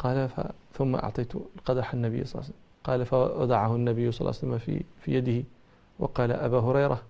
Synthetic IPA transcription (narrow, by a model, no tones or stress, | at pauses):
qɑːlafa̰ | θʊmːa̰ʔɑ̰ʕt̪ˤɑjːt̪qɑd̪ɾɑħanːabɪjːsˤɑl̰ːsalːmqɑːlafaɑ̰d̪ˤɑʕahʊnːabɪjːʊsˤɑlːa̰salːamafḭfiːjad̪ɪhɪ | wɑ̰qɑːla̰ʔabaːɦʊɾɑjɾa